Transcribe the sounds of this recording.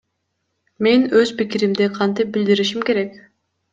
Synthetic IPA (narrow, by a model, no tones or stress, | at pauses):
me̞nøz̥pikiɾimd̪eqʰɑnt̪ip̚bild̪iɾiʃimke̞ɾe̞k